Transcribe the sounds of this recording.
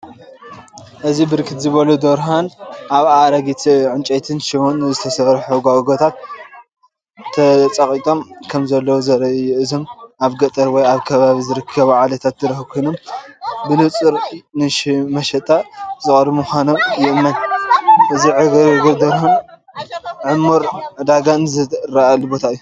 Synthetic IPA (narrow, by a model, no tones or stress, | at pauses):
ʔɨzibɨɾkʰɨt̪zɨβɐlud̪oɾɦanʔaβaɾɐɡit̪ʰiʕɨnt͡ʃʼɐt̪ʰɨnʃiwonːɨzɨt̪ʰɐsɐɾħuɡaʔɡot̪ʰat̪̚ | ɐt͡sʼɐχʼit̪ʼo̞mkʰɐmzɐlːɐwuzɐɾɐjuʔɨzomʔaβɡɐt̪ʼɐɾwɔjaβkʰɐβaβizɨɾɨkʰːɐβʕalɐt̪ʰat̪̚d̪ɨɾɐxukʰojnombɨnɨt͡sʼɨɾnɨʃmɐʃɐt̪ʼːazɨkʼɾmumuxʷano̞mjɪʔɨmːɐnʔɨziʕɨɡɡɨd̪ɐɾhun | ʕɨmːuɾd̪aɡanɨzɨɾaʔalubo̞t̪ʰaɨjːu